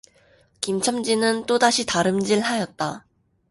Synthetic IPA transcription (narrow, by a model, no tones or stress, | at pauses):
kimt͡ɕʰʌmd͡ʑinɯnt͈odaɕʰitaɾɯmd͡ʑiɭhajʌt̚t͈a